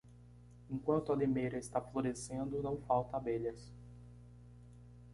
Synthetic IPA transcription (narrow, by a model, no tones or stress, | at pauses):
ẽŋkwɐ̃nt̪ʊɐd̪emejɾɐest̪afloɾesẽnd̪ʊnɐ̃w̃fawt̪ɐabeʎɐs